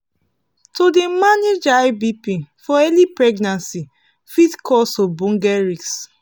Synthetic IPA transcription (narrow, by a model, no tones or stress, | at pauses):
todemaned͡ʒajbipifɔɛlipɹɛɡnãnsi | fitkʰɔsɔbɔ̃ŋɡɛɹiks